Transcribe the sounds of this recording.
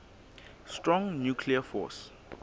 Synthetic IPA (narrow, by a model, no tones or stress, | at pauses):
stɹɔ̃ŋnjukʰliafɔ̰s